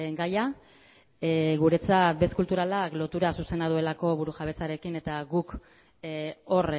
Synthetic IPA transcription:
ɡaja | ɣuɾe̞t͡sat̪̚be̞skult̪uɾalaklo̞t̪uɾasuse̞nað̞ue̞lako̞β̞uɾuʝaβe̞t͡saɾe̞kine̞t̪aɣuk | o̞r

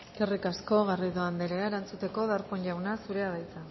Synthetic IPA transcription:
kerikasko̞ɣariðoand̪eɾeaeɾant͡sut̪e̞ko̞ðaɾpo̞ɲʎawnasuɾe̞aðajt͡sa

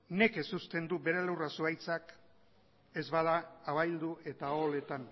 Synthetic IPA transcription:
ne̞ke̞sust̪e̞nd̪ube̞ɾelewrasuajt͡sak | e̞zβað̞aːβajld̪ue̞t̪aole̞t̪an

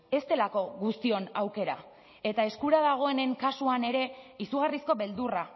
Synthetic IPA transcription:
e̞st̪e̞lako̞ɣust̪io̞nawke̞ɾa̰ | e̞t̪ae̞skuɾaðaɣ̞o̞e̞ne̞ŋkasuane̞ɾe̞isuɣarisko̞βe̞ld̪ura

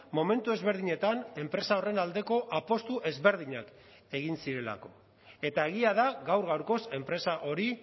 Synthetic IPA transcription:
mo̞me̞nt̪ue̞zβe̞ɾð̞iɲe̞t̪ane̞mpɾe̞sao̞re̞nald̪e̞ko̞ʔapo̞st̪uʔe̞zβe̞ɾð̞iɲak | e̞ɣinsiɾe̞la̰ko̞ | e̞t̪ae̞ɣ̞iað̞aɣawɾɣawɾko̞se̞mpɾe̞saʔo̞ɾi

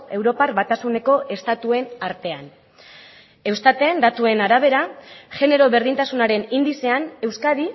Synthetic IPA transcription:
e̞wɾo̞parβat̪asune̞ko̞ʔe̞st̪at̪ue̞naɾt̪e̞an | e̞wst̪at̪e̞nd̪at̪ue̞naɾaβ̞e̞ɾaʝe̞ne̞ɾo̞βe̞ɾðint̪asunaɾe̞nind̪ise̞ane̞wskaði

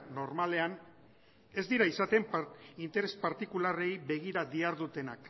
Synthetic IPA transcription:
no̞ɾmale̞an | e̞zd̪iɾaisat̪e̞mpint̪e̞ɾe̞spaɾt̪ikulare̞jbe̞ɣiɾaðiaɾðut̪e̞nak

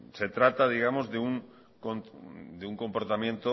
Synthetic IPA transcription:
se̞t̪ɾat̪að̞iɣ̞amozðeuŋ | kond̪euŋko̞mpo̞ɾt̪amje̞nt̪o

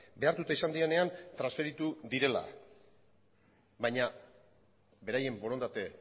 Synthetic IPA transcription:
be̞aɾt̪ut̪aisand̪iene̞ant̪ɾansfe̞ɾit̪ud̪iɾe̞la̰ | baɲa | be̞ɾaje̞mbo̞ɾo̞nd̪at̪e̞

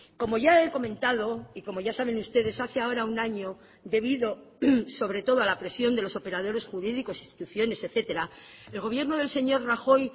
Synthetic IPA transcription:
ko̞mo̞ʝae̞ko̞mẽnt̪aðo̞iko̞mo̞ʝasaβ̞e̞nust̪e̞ðe̞saθeao̞ɾaunaɲo̞ | d̪e̞β̞iðo̞ | so̞βɾe̞t̪o̞ðoalapɾe̞sjo̞nd̪elo̞so̞pe̞ɾaðo̞ɾe̞sxuɾiðiko̞sinst̪i̥t̪uθjo̞ne̞seθe̞t̪e̞ɾa | e̞lɣo̞β̞je̞ɾno̞ðe̞lse̞ɲo̞ɾraxo̞j

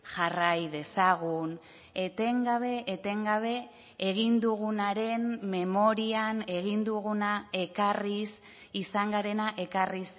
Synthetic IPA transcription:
ʝarajðe̞saɣ̞un | e̞t̪e̞ŋɡaβe̞ʔːt̪e̞ŋɡaβ̞e̞ | eɣind̪uɣunaɾe̞nme̞mo̞ɾiane̞ɣind̪uɣ̞unae̞karis | isaŋɡaɾe̞naʔe̞karis

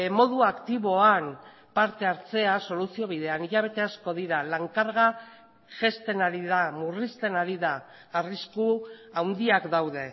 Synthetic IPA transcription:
mo̞ðuakt̪iβo̞an | paɾt̪e̞aɾt͡se̞aso̞lusio̞β̞iðe̞aniʎaβ̞e̞t̪e̞asko̞ð̞iɾalaŋkaɾɣa | ʝe̞st̪e̞naɾiðamurist̪e̞naɾiðaː | riskuawnd̪iakd̪awðe̞

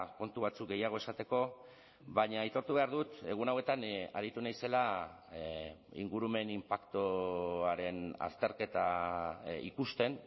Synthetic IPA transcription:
ko̞nt̪uβ̞at͡suk̚ɡe̞jaɣ̞o̞e̞sat̪e̞ko̞ | βaɲait̪o̞ɾt̪uβe̞aɾðut̪e̞ɣ̞unawe̞t̪ana̰ɾit̪unajse̞la | ḭŋɡuɾume̞nimpakt̪oaɾe̞na̰st̪e̞ɾke̞t̪a | ḭkust̪e̞n

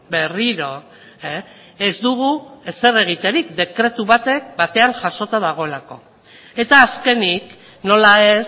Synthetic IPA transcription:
be̞riɾo̞ | ezd̪uɣ̞uese̞re̞ɣ̞it̪e̞ɾikd̪e̞kɾe̞t̪uβat̪e̞k̚bat̪e̞aŋʝaʃo̞t̪aðaɣ̞o̞e̞lako̞ | e̞t̪aːske̞nik | no̞laes

